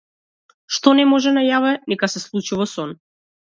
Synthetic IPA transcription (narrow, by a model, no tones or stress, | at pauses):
ʃt̪ɔnɛmɔʒɛnajavɛnɛkasɛslˠut͡ʃuvɔsɔn